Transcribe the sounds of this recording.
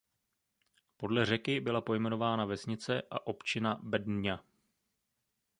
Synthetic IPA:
po̞dlɛr̝ɛkɪbɪlapo̞jmɛno̞vaːnavɛsɲɪt͡sɛʔa̰ʔo̞pt͡ʃɪnabɛdnɲa

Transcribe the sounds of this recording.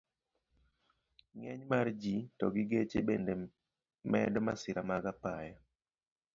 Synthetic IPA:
ŋɛɲmard͡ʒitɔ̰ɡɪɡet͡ʃebende | mɛ̰dɔmasɪɾamaɡapajɔ

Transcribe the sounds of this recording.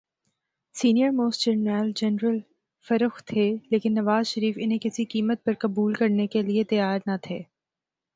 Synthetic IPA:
siːnijəɾmoːsd͡ʒəɾnɛːld͡ʒɛnɾəl | fɐɾəxt̪ʰeːleːkɪnːɐʋaːzʃɐɾiːfɪnɦẽkɪsikiːmət̪̚pɐɾkɐbuːlkɐɾnekeliet̪ɐjaːɾnɐt̪ʰeː

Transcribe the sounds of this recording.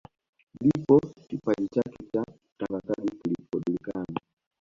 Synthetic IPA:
ndipɔkipaʄit͡ʃakɛt͡ʃa | taŋɡakaɗikilipɔɗilikana

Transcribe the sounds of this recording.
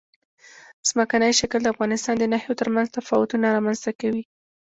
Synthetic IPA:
z̥məkanəjʃakəld̪əafɣɑnɪst̪ɑnd̪ənahjot̪əɾmanzt̪afɑwʊt̪unaɾɑmanz̥t̪akawi

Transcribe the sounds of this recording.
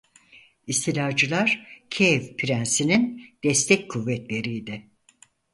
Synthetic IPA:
ist̪ʰilʲad͡ʒɯlˠaɾ̥cʰevpʰiɾænsinind̪̥ɛst̪ʰɛc̚kʰuvːɛt̪lʲe̞ɾijd̪ɛ

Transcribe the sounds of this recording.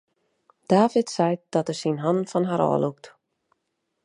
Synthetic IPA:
d̥aːvɪtsɛjd̥ɔtərsinɦɔnfɔnɦaɾɔ̰ːluk̚t

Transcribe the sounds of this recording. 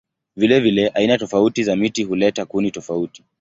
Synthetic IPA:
vilɛvilɛʔainatɔfautizamitihulɛtakunitɔfauti̥

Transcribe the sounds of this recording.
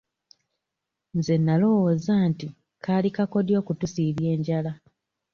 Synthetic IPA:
nze̞nːalo̞wozaːnti | kʰalikako̞djo̞ːkutusiːβje̞ːɲɟala

